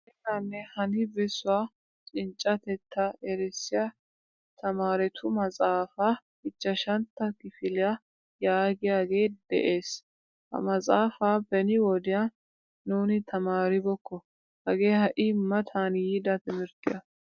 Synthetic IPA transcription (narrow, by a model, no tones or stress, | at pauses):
ɛtːanːɛhɐnɪbɛsʊwaː | t͡ʃʼɪnt͡ʃʼːɐt̪ɛt̪ʰːɐɛɾɛsːɪja | t̪ʰɐmaːɾɛt̪ʰʊmɐt͡sʼaːfaː | hɪt͡ʃːɐʃɐnt̪ːɐkɪfɪlɪja | jaːɡɪjaːɡe̞ːd̪̥ɛ̰ʔe̞ːs | hɐ̰mɐt͡sʼaːfaːbɛnɪwɔd̪ɪja | nuːnɪt̪ʰɐmaːɾɪbɔkːɔ | hɐɡeːhɐʔɪmːɐt̪ʰaːnjɪd̪ɐt̪ɪmɪɾt̪ɪjɐ